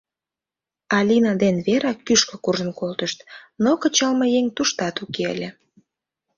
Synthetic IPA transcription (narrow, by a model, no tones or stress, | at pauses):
ɑlʲinɑd̪enβeɾɑkːyʃkə̆kurʒənkolt̪əʃt̪nokət͡ɕɑlmɤjeŋt̪uʃt̪ɑt̪ukeə̰lʲe